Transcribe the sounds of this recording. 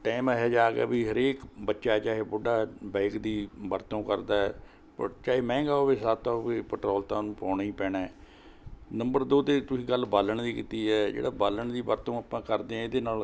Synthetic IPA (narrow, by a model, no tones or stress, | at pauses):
ʈɛːmɦɛːd͡ʒaːkɛ̰ːbiːɦəɾeːkbətːʃaːt͡ʃaːɦeːbʊɖaːbɛ̃ːkd̪iːbəɾt̪õːkəɾd̪aːɛ | pət͡ʃaːɦeːmɛ̃ːɡaːoːʋeːsaːt̪aːoʋeːpɛʈɾɔːlt̪ãːnũːpãːɳiːpɛːɽaː | nəmbəɾd̪oːt̪eːt̪ʊsĩːɡəlbaːləɳd̪iːkit̪iːɛːd͡ʒḛːɽaːbaːləɳd̪iːbəɾt̪õːaːpãːkəɾd̪eːɛ̃ːɪd̪eːnaːl